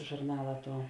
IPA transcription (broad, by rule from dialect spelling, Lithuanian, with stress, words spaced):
ʒʊrˈnɑːlˠɐ ˈtuɔ